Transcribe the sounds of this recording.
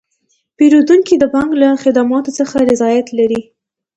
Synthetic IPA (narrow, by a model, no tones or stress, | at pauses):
peɾod̪uŋkid̪əbɑŋɡlaxɪd̪amɑt̪ot͡səxaɾɪzɑjat̪laɾi